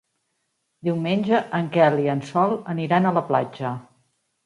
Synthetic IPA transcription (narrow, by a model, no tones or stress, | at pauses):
d̪iwmenʲʒəʔəŋkɛliənsɔlˠəniɾanələpla̰d͡ʒə